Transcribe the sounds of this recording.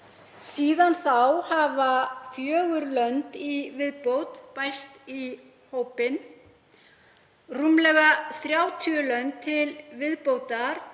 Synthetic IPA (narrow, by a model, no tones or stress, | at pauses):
siːðanθawhavafjœːɣʏɾlœnt̪ivɪðpowt̪pajst̪i | howpɪn | rumlɛɣaθɾjaːwt̪ʰyʏlœnt̪ʰːɪlvɪðpowt̪aɾ̥